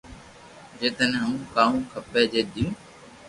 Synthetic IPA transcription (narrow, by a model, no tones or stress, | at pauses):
d͡ʒeːt̪ənɦəũːkaːɦũːkʰəpeːd͡ʒeːd̪ʱijũː